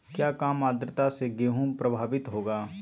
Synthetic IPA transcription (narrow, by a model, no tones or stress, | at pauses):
kjaːkaːmaːd̪ɾət̪aseɡeːɦũːmpɾəbʱaːʋɪt̪ɦoːɡaː